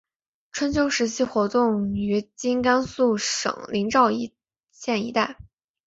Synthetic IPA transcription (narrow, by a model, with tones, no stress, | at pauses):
ʈ͡ʂʰwə˥nt͡ɕʰjo˥ʊʂɻ̩˧˥ɕʰi˥˩xwɔ˧˥t̪ʊ˥˩ŋy˧˥t͡ɕi˥nka˥nsu˥˩ʂɤ̰˨˩ŋli˧˥ŋʈ͡ʂɑ˥˩ʊi˧˥ | ɕjɛ˥˩nḭ˧˥t̪a˥˩ɪ